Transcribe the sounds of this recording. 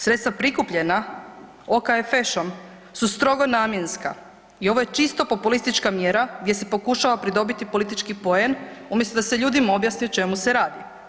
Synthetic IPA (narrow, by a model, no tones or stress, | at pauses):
sɾet̪st̪ʋapɾikupʎe̞na | okaefeʃom | sust̪ɾo̞ɡo̞naːmje̞nska̰ | io̞ʋo̞je̞t͡ʃist̪o̞po̞pulist̪it͡ʃkamjeɾaɡd̪ʲjese̞po̞kuʃaʋapɾid̪o̞bit̪ipo̞lit̪it͡ʃkipo̞enumjest̪od̪aseʎuːd̪imao̞bjasniut͡ʃe̞museɾaːd̪i